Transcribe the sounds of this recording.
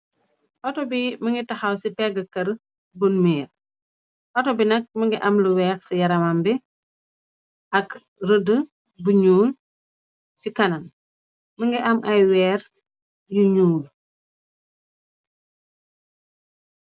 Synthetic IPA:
ʔɔtɔbiməŋɡitɐxɐwsipɛɡəkɐɾ | bunmiːɾ | ʔɔtɔbinɐk̚məŋɡiʔɐmləwɛːksijɐɾɐmambi | ʔɐk | rədə | buɲuːl | sikɐnɐn | məŋɡiʔɐmʔɐjwɛːɾ | juɲuːl

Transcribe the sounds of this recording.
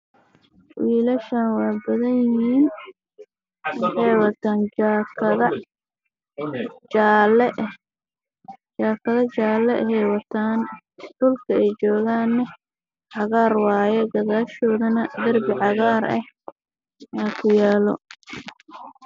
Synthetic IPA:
wiːlɐʃɐnwɑːbɐðɐnjɪhiːn | wɑħɑjwɐt̪ʰaːnːkʰɐðɐ | l | t͡ʃaːkʰɐðɐt͡ʃaːlɛɛhɛjwɐt̪ʰaːn | d̪̥ʊlkʰɐɛjt͡ʃɔːɣaːnːɛ | ʕɑɣaːrwɑːjɛɡɐɣaːʃɔːðɐnɐd̪ɐrbɪʕɑɣaːɾɐ̰h | jaːkʰʊjaːlɔ̰

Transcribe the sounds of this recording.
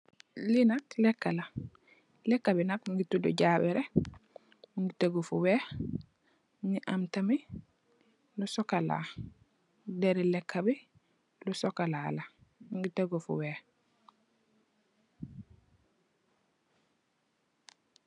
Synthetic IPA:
linatlekːala | lekːabinakŋɡitudo̰ɟaːbɛɾe | ŋɡiteɡofuwe | niʔamtami | lusokala̰ | deɾilekʰːabi | lusokalalaŋɡiteɡofṵweː

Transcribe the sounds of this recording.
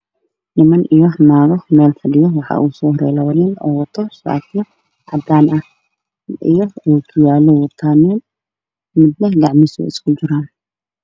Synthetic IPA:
nɪmɐnʔijɔnaːɣɔmɛːlfɐɖɪjɔwɑħɑ̰ːʔuːsɔːhɾɛ̰ːlɐwɐnɪnɔ̰ːwɑt̪ʰɔsa̰ːt̪jɔ | ʕɑd̪aːnɐh | ʔḭjɔuːɡʊjaːlɔwɐt̪ʰaːnin | mɪd̪nɐɡɑʕmɪsɔ̰ɪ̰skʰʊd͡ʒɪɾaːn

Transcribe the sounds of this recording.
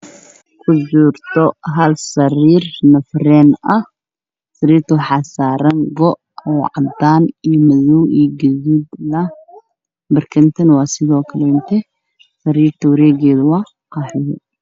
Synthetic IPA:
kʰʊd͡ʒuːrt̪ʰɔɦɐlsɐɾiːrnɐfrɛːnɐh | sɐɾiːrt̪ʰɔħɑsaːɾɐŋɡɔʔ | ɔʕɑ̰d̪aːnimɐðuwʔiːɡɐðiːd̪lɐ | bɐrkʰɐnt̪ʰɐnwɑːsɪðɔːkʰɐlɛʊnt̪ʰɛ | sɐɾiːrt̪ʰɐwɐɾɛːɣɛːðʊwɑː | qɑːħhɛ̰

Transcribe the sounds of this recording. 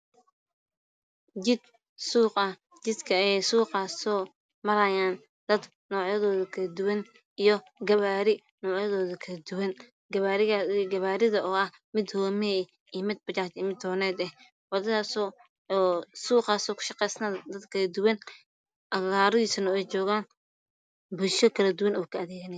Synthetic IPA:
d͡ʒɪd̪ | suːqɐ | t͡ʃɪd̪kʰɐːjɛjsuːqɑːsɔː | mɐɾɐjaːn | d̪̥ɐd̪ | nɔːʕjɐðɔːðɐkʰɐlɐd̪ʊwɐn | ijɔ | ɡɐβaːɾɪ | nɔːʕjɐðɔːðɐkʰɐlɐd̪ʊwɐn | ɡɐβaːɾɪɡɐβaːɾɪðɐʔɔːɐh | mɪd̪hɔːmɛ | ijmɪd̪̚bɐt͡ʃaːt͡ʃɛmɪd̪hɔːnɛːd̪ɛh | wɐðɐðaːsɔː | suːqɑːsɔːkʰʊ̥ʃɑqɛjsnaːd̪ɐd̪kʰɐlɐd̪ʊwɐn | ʔɐaːɾʊiːsɐnɐɛjt͡ʃɔːɣaːn | bʊlʃɔkʰɐlɐd̪ʊwɐnɔːkʰɐɐðeːɣɐnɛ

